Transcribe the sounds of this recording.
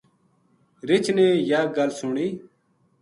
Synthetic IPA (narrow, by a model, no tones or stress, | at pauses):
ɾɪt͡ʃʰneːjaːɡəlsʊɳiː